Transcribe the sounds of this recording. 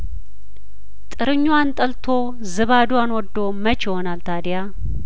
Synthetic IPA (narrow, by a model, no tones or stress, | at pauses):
t̪ʼɨɾɨɲːuwant̪ʼəlt̪ʰo | zɨβad̪uanwɔd̪ːomət͡ʃɪhonalt̪ʰad̪ja